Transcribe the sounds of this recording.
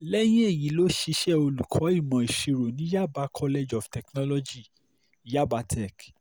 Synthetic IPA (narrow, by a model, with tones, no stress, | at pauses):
lɛ˦j̃ĩ˦e˦˨ji˨˦lo˦ʃi˧ʃɛ˦˨o˧lu˨kʰɔ˨˦i˦˨mã˧i˨ʃi˧ɾo˨nĩ˨˦ja˦˨ba˧kʰɔ˦le˧d͡ʒɔ˨ftɛ˨knɔ˦lɔ˧d͡ʒi˦˨ | ja˦˨ba˧tʰɛ˦˨k